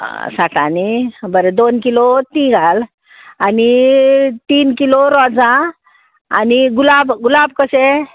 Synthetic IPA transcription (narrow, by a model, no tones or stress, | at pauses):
saʈa̰nibəɾed̪onkilot̪ĩɡʱal | ani | t̪iːnkiloɾɔd͡zã | a̰niɡulabɡulabkəse